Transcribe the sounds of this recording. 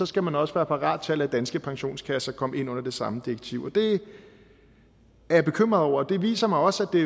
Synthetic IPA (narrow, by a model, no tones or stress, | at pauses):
ɒ̽sɡ̥æmænɒ̽səʋæːɐpʰɑ̈ʁɑ̰̈ːd̥̚t͡sʰælæd̥ænsɡ̥əpʰɑ̈ŋɕo̝̰ːnskʰæsɐkʰɒ̽m̰e̝nɔ̽n̰ɐd̥e̝sɑ̈məd̥iɐɡ̥̚t͡sʰḭʊ̰ɒ̽d̥e̝ | æɐb̥e̝kʰøm̰ʁɐðˠɒʊ̰ɐːd̥e̝ʋḭːsɐmɑ̈ɪɒ̽sæd̥e̝